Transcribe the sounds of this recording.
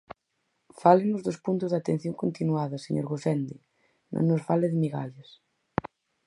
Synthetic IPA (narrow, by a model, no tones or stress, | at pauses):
falenozðospunt̪ʊzðat̪ẽn̟θjoŋkont̪inuaðɐseɲo̰ɾɣoθɛnd̪i | nõ̰nːosfaleðemiɣa̰ʎas